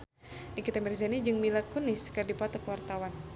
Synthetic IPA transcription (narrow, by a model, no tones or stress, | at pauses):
nikit̪amɛrzanid͡ʒɨŋmilakuniskɨrdipat̪ɔkwart̪awan